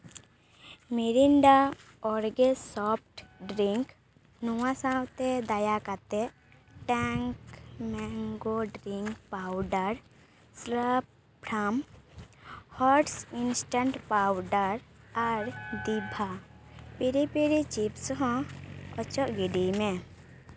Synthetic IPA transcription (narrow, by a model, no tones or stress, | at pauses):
miɾinɖa | ɔɾɡesɔp̚ʰʈɖɾiŋk | nuwãsãwt̪ɛd̪ajakat̪ɛ | ʈɛŋkmɛŋɡoɖɾiŋkpawɖaɾ | sɾəp̚ | pʰɾam | hɔɾʈsinsʈaɳʈpawɖəɾaɾd̪ibʱapiɾipiɾit͡ʃipsɔ̃ɦɔ̃ɔt͡ʃɔʔɡiɖimɛ